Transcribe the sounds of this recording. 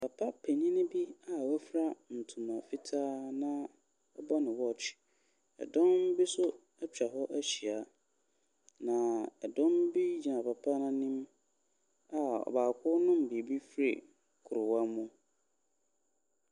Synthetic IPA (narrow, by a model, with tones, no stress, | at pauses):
pʰa˨pʰa˦pʰe˨ɲĩ˦nɪ̃˦bi˦a˨wæ˦fɾa˦n̩˨tʰũ˨mã˨fi˦tʰaː˦nã˦ | ɛ˦ba˦nʊ̃˨wɔ˦˨t͡ɕʰɪ̥˨ | ɛ̰˨dɔ̃˦mbi˦sʊ˦ | ɛ˦t͡ɕᶣa˨ɦɔ˦ʔæ˦ɕi˨a˨ | nã˨ɛ˨dɔ̃˦mbi˦d͡ʑi˨nã˨pa˨pʰa˦nã˦nĩ˦m | a˨ɔ̰˨baː˨kʰʊ˦nʊ̃˦m˨bi˨bi˦fɾḛ˨ | kʰʊ˨ɾʊ˨wã˦mʊ̃˦